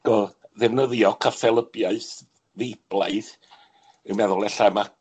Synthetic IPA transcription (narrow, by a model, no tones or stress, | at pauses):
ɡ̥ɔðɛvnəðjɔkʰafɛlˠəbjaɨθ | ðejb̥lˠaɨð | ɪwmɛðʊlˠɛɬama